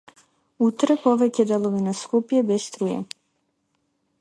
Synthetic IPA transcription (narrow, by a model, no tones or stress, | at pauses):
ut̪ɾpoʋɛcɛd̪ɛlˠovinaskupjɛbɛst̪ɾujɛ̰